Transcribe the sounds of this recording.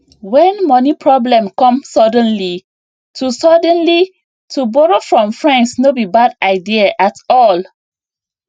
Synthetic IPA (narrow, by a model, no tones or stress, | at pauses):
wɛ̃nmɔnipʰɹɔblɛ̃mkɔ̃msɔdə̃nli | tʰusɔdɛ̃nli | tʰubɔɹofɹɔ̃mfɹãnsnobibadaɪdiaʔatɔl